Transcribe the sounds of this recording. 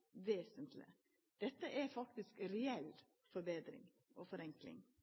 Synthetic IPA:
ʋeːsənt̪lɪ̰ | d̪̥ɛt̪ːəʔɛɾfɑk̚t̪ɪskɾɛɛlː | fɔɾbeːd̪ɾɪ̰ŋ | ʔoːfɔɾɛŋklɪ̰ŋ

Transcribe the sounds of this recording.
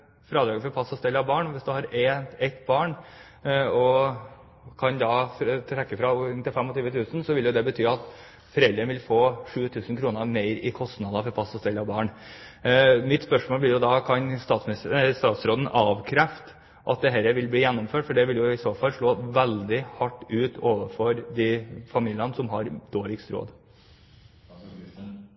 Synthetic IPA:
fɾɑːd̪ɾɑːɡəfɔɾpʰɑsːɔst̪ɛlːɑʋbɑːɳʋɪsd̪ʉhɑɾɛɛt̪ːbɑːɳ | ɔ | kʰɑnd̪ɑːt̪ʰɾɛkːəfɾɑnt̪ɪlfɛmːɔt̪ʰyːʋət̪ʰʉːsn̩sɔʋɪljʊd̪ɛbət̪ʰyːɑt̪ | fɔɾɛlɾənʋɪlfoːʂʉːt̪ʰʉːsənkʰɾuːnəmeɪɾɪkʰɔst̪nɑd̪ɑfɔɾpʰɑsɔst̪ɛlːɑbɑːɳ | mɪt̪spœʂmoːlblɪɾjʊd̪ɑːkʰɑnst̪ɑːt̪smɪnɪst̪st̪ɑːt̪sɾoːd̪ənʔɑːʋkʰɾɛft̪ | ʔɑt̪̚d̪ɛɦɛːɾəʋɪlbliːjɛnːʊmføːʈfɔɖɛʋɪljʊɪsoːfɑlʂɭoːʋæld̪ɪhɑʈːʉːt̪oːʋəfɔɾd̪ifɑmiːlɪənəsɔmɦɑɾd̪̥oːɭɪkst̪ɾo̰ːd̪

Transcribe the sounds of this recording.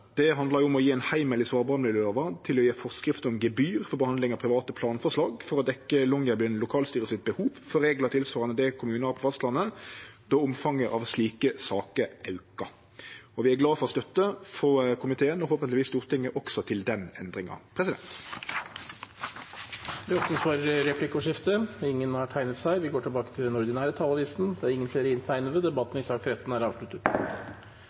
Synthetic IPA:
d̪̥ɛɦɑnd̪lɑɾjʊɔmɔjiːɛɪnhæɪməlɪsʋɑːɾbɑːʁmlɪløːʋɑt̪ʰɪlɔjeːfɔʁskɾɪft̪əɔmɡɛbyːʁfɔbəhɑnd̪lɪŋɑpʰɾɪʋɑːt̪əpʰlɑːnfɔʁʂlɑːɡfɔɾɔd̪ɛkːəlɔŋəbynlʊkʰɑːlst̪yːɾəsɪt̪̚bəhuːʋfɔɾeːɡlɑt̪ʰɪlsfɔʁɑnəd̪ɛkʰʊmʉːnəæːɾpʰɔfɛst̪lɑnːəd̪̥ɔʊmfɑŋəɾʔɑ̰ʋsliːkəsɑːkəʔɑʉkɑ | ɔʋɪæɡlɑːfɔɾɔst̪œt̪ːəfɔkʰʊmɪt̪ʰeːənɔhoːpənt̪lɪʋiːst̪uːʁt̪ʰɪŋːəʔɔksɔt̪ʰɪld̪ɛnɛnd̪ɾɪŋɑ̰pʰʁɛsɪd̪ɛ̰nt̪ | d̪ɛɔt̪nəfɔɾɾɛpʰlɪkəʊʂɪft̪əɪŋːənhɑʈʰæɪnət̪sæɪʋɪɡoːʈʰɪlbɑːkət̪ʰɪld̪ɛnʊɾd̪ɪnæːɾət̪ʰɑːlˠɑʋiːsn̩d̪ɛæɾɪŋːənfleːɾəɪnt̪ʰæɪnəd̪əd̪ɛbɑt̪ːn̩ɪsɑːkɾɛt̪ːn̩æɾɑːʋʂɭʉt̪ːət̪

